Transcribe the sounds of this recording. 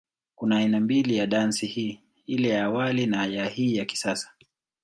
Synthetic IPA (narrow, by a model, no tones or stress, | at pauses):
kunaːinambilijaɗansihiː | ilɛjaːwalinaajahiːjaki̥sasḁ